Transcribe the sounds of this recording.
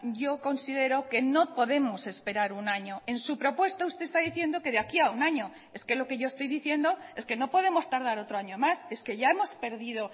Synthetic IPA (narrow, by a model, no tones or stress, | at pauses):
ʝo̞ko̞nsið̞e̞ɾoke̞no̞po̞ðe̞mo̞se̞spe̞ɾaɾunaɲoe̞nsupɾo̞pwe̞st̪aust̪est̪aðiθje̞nd̪o̞ke̞ðeakiaunaɲo̞ | e̞ske̞lo̞ke̞ʝo̞est̪o̞jðiθje̞nd̪o̞e̞ske̞no̞po̞ð̞e̞mo̞st̪aɾð̞aɾo̞t̪ɾoaɲomase̞ske̞ʝae̞mo̞speɾðið̞o̞